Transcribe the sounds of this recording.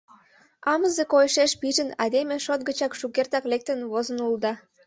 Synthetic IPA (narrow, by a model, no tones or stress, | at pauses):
ɑməzekojʃeʃpiʒənɑd̪emeʃot̪̚ɡət͡ɕɑkʃukert̪ɑklek̚t̪ənβozə̆nulˠd̪ɑ